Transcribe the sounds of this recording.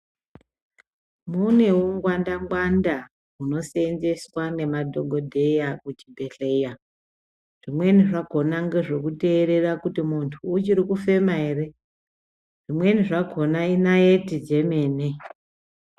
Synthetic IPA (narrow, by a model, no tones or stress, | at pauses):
mune̞uŋɡwandaŋɡwanda | ɦuno̞senze̞swane̞madʱoɡʱo̞dʱe̞jakut͡ʃibʱe̞ɬe̞ja | ʐ̥imwe̞niʐaɡʱo̞naŋɡe̞ʐo̞kute̞ːɾe̞rakutimuntʰuːt͡ʃiɾikufe̞maere̞ | ʐ̥imwe̞niʐaɡʱo̞nainaetid͡ʒe̞me̞ːne